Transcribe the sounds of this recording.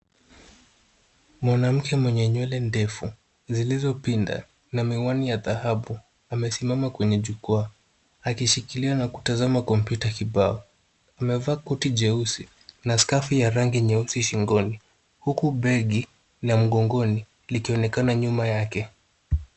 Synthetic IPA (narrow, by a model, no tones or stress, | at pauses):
mwanam̩kɛmwɛɲɛɲwɛlɛndɛfu | zilizɔpinda̰ | namiwanijaðahaɓu | amɛsimamakwɛɲɛʄukaa | akiʃikilianaku̥tazamakɔm̩pjutakiɓaɔ | amɛvaːkɔtiʄɛusi | naskafijaɾaŋɡiɲɛusiʃiŋɡɔni | hukuɓɛɠi | nam̩ɠɔŋɡɔni | likiɔnɛkanaɲumajakɛ